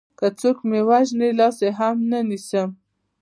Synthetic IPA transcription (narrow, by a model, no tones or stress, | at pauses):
kət͡sokmewaʒnilɑseɦamnənisəm